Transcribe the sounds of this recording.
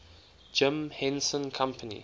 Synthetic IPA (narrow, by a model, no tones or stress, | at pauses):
d͡ʒɪ̃mhɛ̃nsə̃nkʰãmpʰənḭ